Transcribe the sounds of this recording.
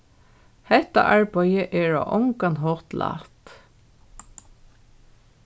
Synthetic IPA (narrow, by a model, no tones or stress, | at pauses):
hɛht̪a̰ʔaɹpɔjəʔɛɹa̰ʔɔŋkanɦɔːt̪lʔa̰ːt̪